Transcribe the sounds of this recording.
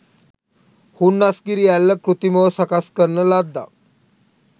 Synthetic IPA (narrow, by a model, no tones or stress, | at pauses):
hunːaskiɾijalːəkɾut̪imosakaskəɾnəlad̪ːa̰